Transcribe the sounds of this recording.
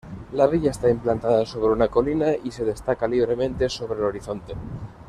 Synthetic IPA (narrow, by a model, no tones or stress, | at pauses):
laβiʎaest̪aimplant̪aðaso̞β̞ɾeunako̞linaise̞ðe̞st̪akaliβ̞ɾe̞mẽ̞nt̪e̞so̞βɾelo̞ɾiθo̞nt̪e